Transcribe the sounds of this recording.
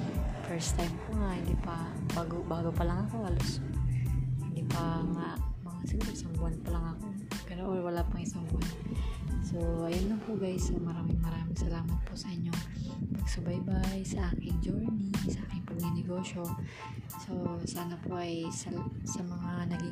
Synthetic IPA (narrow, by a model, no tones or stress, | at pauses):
fɛɹst̪ajmkoŋahɪnd̪ḭːpɐ | baːɡobaːɡopɐlɐŋɐko̞haːlos | hɪnd̪iːpɐŋamɐŋasɪɡʊsɐŋbʊanpɐlɐŋɐko̞ | pɛːɾoʔoɹwɐlaːpɐŋʔɪsɐŋbʊʔanso̞ʔɐjonlɐŋpoʔɡajsɐmɐɾaːmɪŋmɐɾaːmɪŋsɐlaːmɐt̪̚posɐʔɪɲːoŋpɐɡsʊbɐjbajsɐʔaːkɪŋd͡ʒoɹnisɐʔaːkɪŋpɐɡ̚nɛnɛɡo̞ːʃo̞ | so̞saːnɐpʰoʔɐjsɐsɐmɐŋanɐɡi